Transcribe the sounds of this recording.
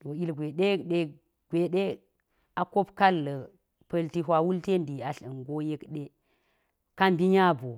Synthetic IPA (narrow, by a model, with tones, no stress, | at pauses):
to˨i˦lɡʷe˨ɗe˦kɗe˦ | ɡ̥ʷe˨ɗe˦ | a˨ko˦pka˦lːə˨ | pɐ˦lti˦ɦwa˦wu˦lte˦ndi˨a˨ɬə˨ŋɡo˦je˦kɗe˦ | ka˦mbi˦ɲa˦bo˨